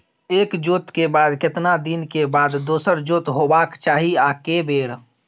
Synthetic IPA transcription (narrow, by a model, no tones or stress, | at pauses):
eːkd͡ʒoːt̪kebaːd̪kɪt̪nad̪inkebaːd̪ːoːsəɾd͡ʒoːt̪ɦobaːkt͡ʃaːɦiaːkebeːɽ